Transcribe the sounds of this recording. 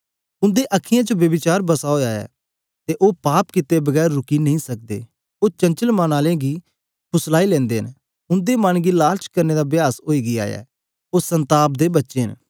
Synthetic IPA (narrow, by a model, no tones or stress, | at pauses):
ʊ̃nd̪eʔəkʰɪjãːt͡ʃobjəbɪt͡ʃaːɾbəsaɦoːjaːjɛ̰ː | t̪eʔoːpaːpkɪt̪ebəɡɛːɾːʊkinɐɦĩːsɐk̚d̪ḛː | oːt͡ʃɐ̃nt͡ʃəlmãːnaːlẽɡiː | kʰʊslaːilɛ̃ːnd̪eːə̰n | ʊ̃nd̪eːmanɡilaːɾt͡ʃkəɾneːd̪aːbjaːsoːiːɡia̰ːja̰ː | oːsə̃nt̪aːp̚d̪eːbɐtːʃeːɦən